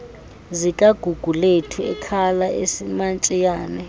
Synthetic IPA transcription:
zikʼaɡ̥ʱuɡ̥ʱuletʰiɛ̰kʰalaʔḛsimant͡ʃʼijaːnɛ

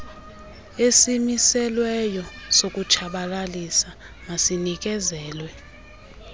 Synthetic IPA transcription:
esimisɛlwɛjɔsok̬ʼut͡ʃʰaɓalalisa | ŋasinik̬ɛzɛːlwɛ

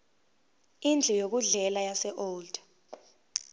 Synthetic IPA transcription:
ind͡ɮʱɛjok̬uɮɛlajasɛʔoːld̥

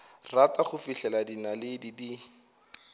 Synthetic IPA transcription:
rataχʊfiɬɛladinalɪdidi

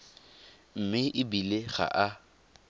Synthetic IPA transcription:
m̩mɪʔɪbileɣa̰ʔa

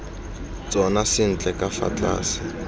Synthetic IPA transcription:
t͡sʼɔnasɪn̩t͡ɬʼɛkʼafa̰t͡ɬʼa̰ːsɪ̥

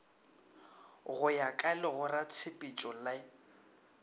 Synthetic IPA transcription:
ɣʊjakʼalɪɣʊrat͡sʰɪpʼit͡ʃʼɔla

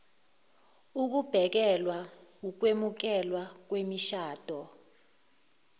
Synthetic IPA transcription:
uk̬ub̥ʱɛk̬ɛlwawuk̬wemuk̬ɛlwak̬wemiʃaːd̥ʱɔ

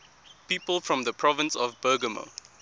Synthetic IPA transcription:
piːpəlˠfɹɔ̃mðəpʰɹɔvə̃nsɔvbɜːɡəmo̰

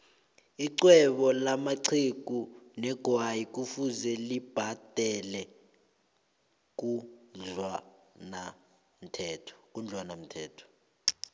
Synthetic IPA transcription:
iǀwɛɓɔlamaǀʰik̬ʼunɛɡ̥ʱwajik̬ʼufuzɛlib̥ʱad̥ʱɛlɛ | k̬ʼuɮwana | m̩tʰɛːtʰɔ̥k̬ʼund͡ɮʱwanam̩tʰɛːtʰɔ̥

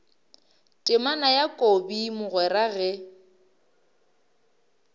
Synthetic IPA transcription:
tʼɪmanajakʼobimʊɣwɛɾaɣɛ

